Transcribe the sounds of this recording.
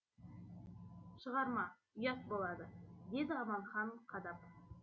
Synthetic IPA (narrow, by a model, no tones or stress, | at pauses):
ʃəʁɑɾmɑ | ʊjɑt̪̚bolˠɑd̪əd̪e̞d̪ɪɑmɑnχɑɴqʰɑd̪ɑp